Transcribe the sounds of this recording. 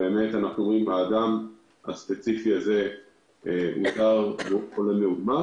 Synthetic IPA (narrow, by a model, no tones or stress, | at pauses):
beːme̞tanaχnuomʁimaːdam | haspe̞t͡sifiaze̞ | ʔutaʁbuolemeudma